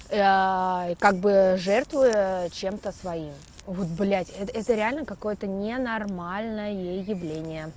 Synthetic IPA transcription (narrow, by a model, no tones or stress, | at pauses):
kaɡ̚bɨʐɛrt̪vɨət͡ɕe̞mt̪əsvɐim | vo̞t̪̚blʲætʲɛt̪ɛt̪əɾʲɪalʲnəkɐko̞jət̪ənʲɪnɐrmalʲnəjəjejːɪvlʲenʲɪjə